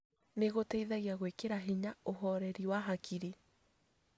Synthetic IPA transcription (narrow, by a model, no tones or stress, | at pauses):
neɣotɛiðaɣiaɣwekeɾaɦiɲaoɦɔɾɛɾiwaɦakʰiɾi